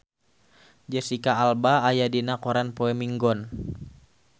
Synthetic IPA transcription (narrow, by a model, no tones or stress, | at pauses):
d͡ʒɛsikaːlbaːjadinakɔɾanpoɛmiŋɡɔn